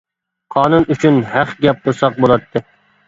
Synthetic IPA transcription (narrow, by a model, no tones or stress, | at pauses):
qʰɑːnunʔyt͡ʃʰynhæχɡʲɛp̚qʊɾsɑq̚bolˠɑt̪ʰːɨ